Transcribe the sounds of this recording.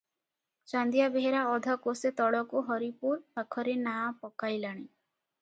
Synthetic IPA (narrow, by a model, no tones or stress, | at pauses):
t͡ʃand̪ijabeɦeɾaɔd̪ʱɔkoset̪ɔɽɔkuɦɔɾipuɾbakʰɔɾenapɔkajlaɽ̃i